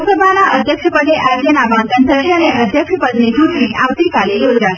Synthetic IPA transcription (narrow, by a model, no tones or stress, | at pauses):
səbʱanaʔəd̪ʱjəkʂəpəd̪ʱeʔad͡ʑənabãnt̪ənsəianeʔəd̪ʱjəkʂəpəd̪net͡ɕuʈniʔaʋt̪ikalejoɡɡa